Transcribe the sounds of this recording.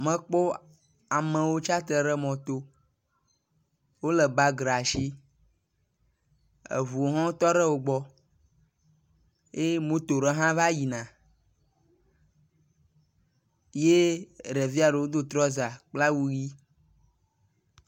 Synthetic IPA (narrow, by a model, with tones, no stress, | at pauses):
mɛ̃˦k͡po˦ | a˨mɛ̃˨wo˦t͡ʃa˦t̪ə˨ɖɛ˦mɔ̃˨t̪o˦ | wo˦lɛ˨ba˦ɡɾa˨ʃi˦ | ḛ˨vu˨o˨ɦɔ̃˦t̪ɔ˦ɖɛ˦wo˨ɡ͡bɔ˦ | e˦mõ˦t̪o˨ɾɛ˦ɦã˦va˦ji˨nã˨ | je˦ɖɛ˨vi˦a˨ɖe˨wo˦d̪o˦t̪ɾɔ˦za˨k͡pla˦wu˦ji˦